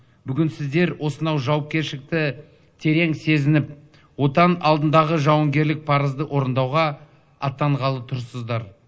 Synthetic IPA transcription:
bʏɡʲɪnsɪzd̪e̞ɾwo̞sənɑwʒɑwɑp̚kʲe̞ɾʃɪk̚t̪ɪ | t̪ʰe̞ɾe̞ŋse̞zɪnɪp | wo̞t̪ɑnɑlˠd̪ənd̪ɑʁəʒɑwəŋɡʲe̞ɾlɪk̚pʰɑɾəzd̪əwʔo̞ɾənd̪ɑwʁɑ | ɑt̪ːɑɴʁɑlˠət̪ʰʊɾsəzd̪ɑɾ

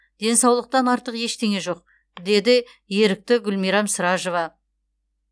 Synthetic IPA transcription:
d̪̥e̞nsɑwlˠəq̚t̪ɑnɑɾt̪əqje̞ʃt̪ʰe̞ŋe̞ʒo̞q̚ | d̪e̞d̪ɪ | je̞ɾɪk̚t̪ɪɡʲʏlmijɾɑmsəɾɑʒovɑ

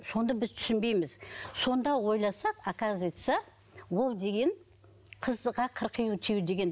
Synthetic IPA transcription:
so̞nd̪ɑbɪzt̪ʰʏ̥sɪnbe̞jmɪz̥so̞nd̪ɑwo̞jlˠɑsɑqakazʲit̪sɨja | wo̞lˠd̪e̞ɡʲe̞ɴ | qʰəzʁɑqʰəɾqʰijut̪ʰijd̪e̞ɡʲe̞n

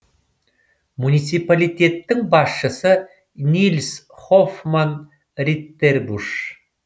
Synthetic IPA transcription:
munʲit̪sipalʲijt̪ʲe̞t̪ːɪŋbɑsʃəsə | nʲilʲs | χofman | rʲit̪ːerbuʃ

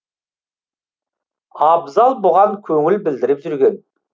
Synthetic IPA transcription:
ɑbzɑlˠboʁɑŋkʲʰɵŋɪlbɪld̪ɪɾɪpʒʏɾɡʲe̞n

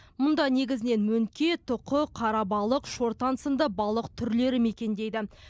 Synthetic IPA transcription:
mʊnd̪ɑne̞ɡʲɪzɪne̞nmɵŋkʲe̞t̪ʰʊqəqʰɑɾɑbɑlˠəqʃo̞ɾt̪ɑnsənd̪əbɑlˠəqt̪ʰʏɾle̞ɾɪme̞kʲe̞nd̪e̞jd̪ɪ

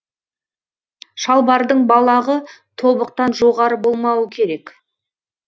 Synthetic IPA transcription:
ʃɑlˠbɑɾd̪əɴbɑlˠɑʁət̪ʰo̞bəq̚t̪ɑnʒoʁɑɾəbo̞lˠmɑwəkʲʰe̞ɾe̞k

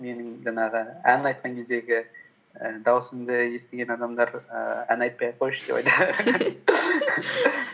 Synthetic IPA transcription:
me̞nɪŋʒɑɴɑʁəænɑjt̪̚qɑŋkʲʰe̞zd̪e̞ɡʲɪ | əd̪ɑwəsəmd̪əje̞st̪eɡʲe̞nɑd̪ɑmd̪ɑɾə̰æ̰nɑjt̪̚pɑjqʰojʃd̪̥epɑ̰jt̪ɑ

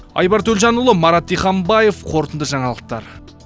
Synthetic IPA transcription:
ɑ̰jbɑɾt̪ʰɵlʒɑnʊlˠəmɑɾɑt̪ːijχɑmbɑje̞fqʰo̞ɾt̪ənd̪əʒɑɴɑlˠəq̚t̪ɑ̰ɾ

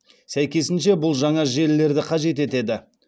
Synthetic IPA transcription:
sæjkʲe̞sɪnʃe̞bʊlˠʒɑɴɑʒe̞lːe̞ɾd̪ɪqʰɑʒe̞t̪e̞t̪e̞d̪ɪ

